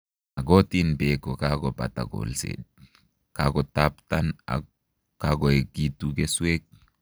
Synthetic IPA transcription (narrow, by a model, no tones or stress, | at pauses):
aɡotinbekɔkaɡɔba̰ta̰ɡo̰lsḛd | kaɡɔtaptana̰ | kaɡɔeɡitukeswek̚